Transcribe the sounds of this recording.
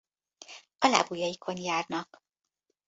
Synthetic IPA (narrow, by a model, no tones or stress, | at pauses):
ɒla̰bujɒjikʰo̞njaːrnɒk